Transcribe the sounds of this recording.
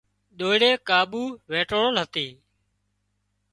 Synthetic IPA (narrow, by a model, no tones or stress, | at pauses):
ɗoːɽeːkaːɓuːʋeːʈoːɽəlɦət̪iː